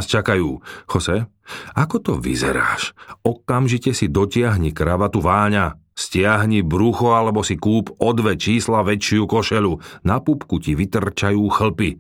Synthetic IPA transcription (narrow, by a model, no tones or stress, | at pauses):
st͡ʃakajuːxɔsɛ | akɔt̪ɔʋḭzɛ̰ɾa̰ːʃɔkamʒicɛsid̪ɔcɪaɦɲikɾaʋat̪uʋaːɲa | scɪaɦɲibɾuxɔalɛbɔsikuːpɔd̪ʋɛt͡ʃiːslaʋɛt͡ʃɪukɔʃɛlunapupkuciʋit̪r̩t͡ʃajuːxl̩pi